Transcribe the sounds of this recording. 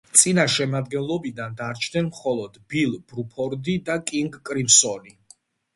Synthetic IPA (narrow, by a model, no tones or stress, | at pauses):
t̪sʼinaʃɛmad̪̚ɡɛnlˠɔbid̪and̪aɾt͡ʃʰnɛnmχɔlˠɔd̪̥bilˠb̥ɾupʰɔɾd̪id̪akʼiŋɡkʼɾimsɔni